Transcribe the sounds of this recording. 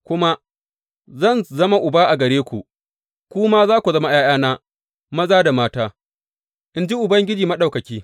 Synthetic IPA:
kʷʊ˦ma˦ | zɐ˦˨nzɐ˦ma˦ʔʊ˨baː˦ʔa˨ɡɐ˨ɾeː˦kʷu˨ | kʷuː˦maː˦zaː˦kʷu˨zɐ˦ma˦j̰aː˦j̰aː˦naː˦ | mɐ˦zaː˦da˨maː˦taː˦ | ʔɪ˨nd͡ʒi˦ʔʊ˨bɐ˦ŋɡʲɪ˦d͡ʒiː˨mɐ˦ɗa˨wkɐ˨kʲiː˦

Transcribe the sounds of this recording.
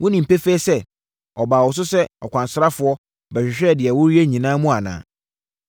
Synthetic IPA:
wʊ̃˦nĩ˨m̩˨pe˦fe˦sɛ˦ | ɔ˨baː˨wɔ˨s̬ʊ˦sɛ˦ɔ˨kʷʰã˨n˨sɾa˦fʊ˨˦ɔ˦ | bɛ˨ɕᶣɪ˨ɕᶣɛ˦˨dɪ˨ɛ˨wʊ˦ɾi˦e˦ɲĩ˨nãː˦mũ˦a˨nã̰ː˨

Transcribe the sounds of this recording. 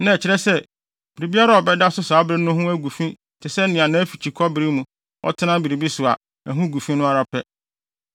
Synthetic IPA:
nã˦˨t͡ɕʰɪ˦ɾɛ˦sɛ˦ | b̥i˨ɾi˨bi˦a˦ɾa˦˨ɔ˨bɛ˦da˦sʊ˦saː˨˦bɾɪ˦nʊ̃˦ɦʊ̃˦æ˦ɡu˨fĩ˦ | tʰɪ˨sɛ˦nɪ̃˨ã˨nã˦fi˨t͡ɕʰi˨kʰɔ˦bɪ˨ɾi˦mũ˨ | ɔ̰˦tʰɪ˦nã˦bi˨ɾi˨bi˦sʊ˨a̰˨ | æ˨ɦũ˦ɡu˨fĩ˦nʊ̃˦a˨ɾa˨pʰɛ˦

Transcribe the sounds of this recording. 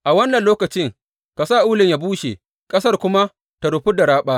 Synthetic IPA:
ʔa˨wɐ˦nːɐ˨nloː˦kɐ˨t͡ʃɪ˦ŋ | ka˨saː˦˨ʔuː˦lɪ˨ɲjaː˨˦buː˦ʃḛ˨ | kʼɐ˦sɐ˦rkʷʊ˦ma˦ | ta˨ɽʊ˨ɸʊ˦da˨ɽaː˦ɓaː˦

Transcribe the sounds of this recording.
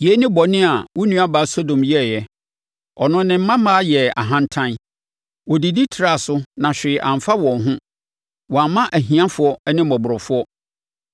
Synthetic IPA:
je˨˦nɪ̃˦bɔ˨nɪ̃˦a˨wɔ˦nũ˦a˦ba˨˦so˦dõ˨mjɛ˦˨jɛ˦ | ɔ˨nʊ̃˦nɪ̃˦m̩˦mã˦mãː˦jɛ˨a̰˨ɦã˦n˦tʰã˦n | wɔ˨di˨di˦tʰɪ˨ɾa˨sʊ˦nã˨ɕᶣɪ˨ʔã˨m˨fa˦wɔ̃˨n˦ɦʊ̃˦ | wɔ̃˨a˨mːã˦ʔæ˨ɦĩ˨ã˦fʊ˨˦ɔ˦ɛ˦nɪ̃˦mɔ˨bʊ˨ɾɔ˨fʊ˦ɔ˦

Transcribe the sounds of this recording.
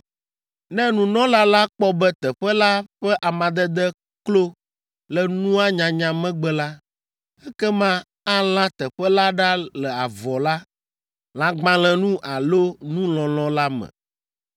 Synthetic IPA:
nɛ̃˦nũ˨nɔ̃˦la˦la˦k͡pɔ˦bɛ˦t̪ɛ˨ɸɛ˦la˦ɸɛ˦ʔa˨mã˨d̪ɛ˦d̪ɛ˦ | klo˦ | lɛ˨nũ˦a˦ɲã˨ɲã˨mɛ̃˦ɡ͡bɛ˦la˦ | ɛ˦kɛ˦mã˦ | a˦l̃ã˦t̪ɛ˨ɸɛ˦la˦ɖa˦lɛ˨a˨vɔ˨la˦ | lã˦ɡ͡bã˦lɛ̃˨nũ˦ʔa˨lo˦nũ˦lɔ̃˨lɔ̃˦la˦mɛ̰̃˨

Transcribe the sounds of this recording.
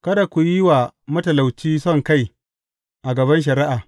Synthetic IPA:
kɐ˦da˨kʷu˨jɪ˦waː˨mɐ˦tɐ˨la˨wt͡ʃiː˦sɔ˦˨ŋka˦˨j | ʔa˨ɡɐ˨βɐ˦nʃ̬ɐ˨ɾɪ˦ʔaː˨

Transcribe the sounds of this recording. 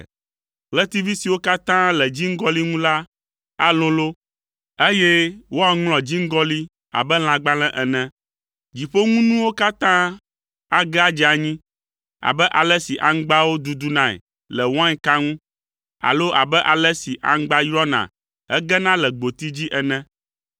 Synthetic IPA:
lɛ˦t̪i˦vi˦si˨wo˦ka˦t̪ã˦lɛ˨d͡ʑi˦ŋ̩˦ɡɔ˦li˦ŋũ˦la˦ | a˦lɔ̃˦lo˦ | e˦je˦wo˦a˦ŋlɔ̃˨d͡ʑi˦ŋ̩˦ɡɔ˦li˦ | a̰˨bɛ˦l̃ã˨ɡ͡ba˦l̃ɛ̃˦ʔɛ˨nɛ̃˨ | d͡ʑi˨ɸo˦ŋũ˦nũ˦wo˦ka˦t̪ã˦ | a˦ɡɛ˦a˦d͡ʒɛ˦˨a˨ɲĩ˦ | a̰˨bɛ˦ʔa˨lɛ˦si˨ʔa˨ŋ˦ɡ͡ba˦wo˦d̪u˨d̪u˦nã˨ɛ̰˨ | lɛ˨wã˦ɲɛ˦ka˦ŋũ˦ | a̰˨lo˦ʔa̰˨bɛ˦ʔa˨lɛ˦si˨ʔa̰˨ŋ̩˦ɡ͡ba˦jɾɔ˦nã̰˨ | ɦɛ˦ɡɛ˦nã˦lɛ˨ɡ͡bo˨t̪i˦d͡ʑi˦ʔɛ˨nɛ̃˦

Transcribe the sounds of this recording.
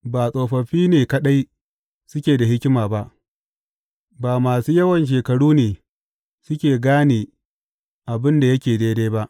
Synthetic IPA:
baː˨sʼoː˨ɸɐ˨ɸiː˦neː˨kɐ˦ɗa˦j | sʊ˦kʲeː˨da˨hɪ˦kʲɪ˦maː˨ba˦ʔ | baː˨maː˨suː˦jɐ˦wɐ˨nʃ̬eː˨kɐ˨ɽuː˦neː˨ | sʊ˦kʲeː˨ɡaː˦neː˨ | ʔa˨bɪ˦nda˨jɐ˦kʲeː˨deː˦deː˦ba˦ʔ

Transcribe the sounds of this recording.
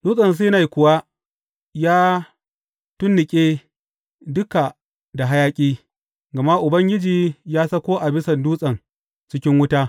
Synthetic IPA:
d̥uː˦sʼɐ˨ns̬iː˦na˨jkʷʊ˨wa˦ | jaː˦ | tʊ˦nːɪ˨kʲʼeː˦ | dʊ˦ka˨ | da˨ɦa˦jaː˦kʲʼiː˦ | ɡɐ˨ma˦ʔʔʊ˨bɐ˦ŋɡʲɪ˦d͡ʒiː˨jaː˦sɐ˦kʷoː˦ʔa˨bɪ˦sɐ˨nduː˦sʼɐ˨ŋ | t͡ʃɪ˦kʲɪ˦ŋwʊ˦taː˦

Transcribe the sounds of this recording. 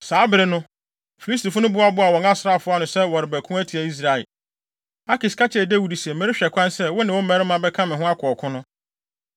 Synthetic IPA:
saː˨˦bɪ˨ɾɪ˨nʊ̃˦ | fi˨li˦s̬ti˨fʊ˦nʊ̃˦bʊ˦a˨ba˨wɔ̃˨ŋa˦sɾa˦˨fʊ˦a˦nʊ̃˨sɛ˦wɔ˨ɾɪ˨bæ˨kʰũ˦æ˦tʰi˨æ˨i˦s̬ɾa˨ɛ̰˨l | a˦kɪ˨skʰa˦t͡ɕʰɪ˦ɛ˨dæ˦wu˨dsi˨ɛ˨mæ˦ɾɪ˦ɕᶣɛ˨kʷʰã˦nsɛ˦wɔ˦nɪ̃˨wɔ˦mæ˨˦ɾɪ˦mã˦bɛ˦kʰã˦mɪ̃˨ɦʊ̃˦a˦kʰɔ˨kʰʊ̃˦nʊ̃˦

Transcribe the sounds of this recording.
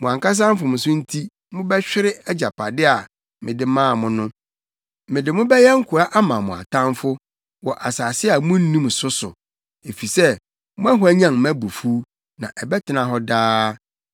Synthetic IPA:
mʊ̃˨ã˨ŋka˦s̬ã˦m˦fʊ˨mʊ̃˨sʊ̃˦n̩˦tʰi˦ | mʊ̃˦bɛ˦ɕᶣɪ˦ɾɪ˦ɛ˦d͡ʑa˨pʰa˨dɪ˦a˨ | mɪ̃˨dɪ˦mãː˦˨mʊ̃˦nʊ̃˦ | mɪ̃˨dɪ˨mʊ̃˦bɛ˦jɛ˦ŋ̩˦kʰʊ˨ɾa˦ʔa˦mã˨mʊ̃˨a̰˨tʰã˦mfʊ˦ | wɔ˨ʔa˨saː˨sɪ˦a˨mʊ̃˦n̩˦nĩ˦m˨sʊ˦sʊ˨ | e˨fi˨sɛ˦ | mʊ̃˦æ˦ɦʊ˦æ˦ɲã˦˨m˨mæ̃˦bu˨fuː˦ | nã˨ʔɛ˨bɛ˦tʰɪ˨˦nã˨ɦɔ˦daː˦

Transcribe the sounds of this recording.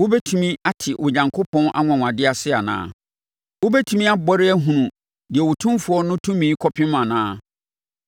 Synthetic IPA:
wo˦bɛ˦tʰũ˨mĩ˦a˦tʰɪ˨ʔʊ˨ɲã˨ŋkʰo˦pʰɔ̃˦nʔa̰˦ŋʷã˨ŋʷ˨ã˨dɪ˦a˨sɪ˦a˨nã̰ː˨˦ | wʊ˦bɛ˦tʰũ˨mĩ˦a˦bɔ˦ɾɪ˦æ˦ɦũ˨nũ˨ | dɪ˨ɛ˨wo˨tʰũ˦mfʊ˦ɔ˦nʊ̃˦tʰũ˦mĩ˦kʰɔ˦pʰɪ̃˦mã˨nãː˦

